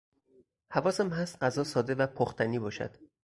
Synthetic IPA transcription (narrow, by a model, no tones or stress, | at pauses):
hævɒːsæmɦæst̪ɢæzɒːsɒːd̪evæpʰoxt̪ʰæniːbɒːʃæ̰d̪̥